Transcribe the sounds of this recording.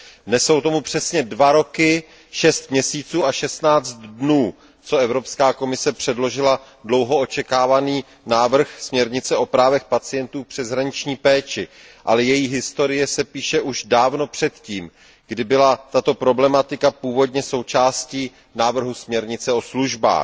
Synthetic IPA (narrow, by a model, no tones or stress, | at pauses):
nɛso̞wt̪o̞mupr̥ɛsɲɛdvaɾo̞kɪ | ʃɛst̪mɲɛsiːt͡suːaʃɛst̪naːt͡st̪dnuː | t͡so̞ɛvɾo̞pskaːko̞mɪsɛpr̥ɛdlo̞ʒɪla | dlo̞wɦo̞o̞t͡ʃɛkaːvaniː | naːvr̩xsmɲɛɾɲɪt͡sɛo̞pɾaːvɛxpat͡sɪjɛnt̪uːpr̝̥ɛzɦɾaɲɪt͡ʃɲiːpɛːt͡ʃɪ | ʔa̰lɛjɛjiɦɪst̪o̞ɾɪjɛsɛpiːʃɛʔuʒdaːvno̞pr̝̥ɛt̪ciːm | ɡ̥dɪbɪlat̪at̪o̞pɾo̞blɛmat̪ɪkapuːvo̞dɲɛso̞wt͡ʃaːsciː | naːvr̩ɦusmɲɛɾɲɪt͡sɛo̞sluʒba̰ːx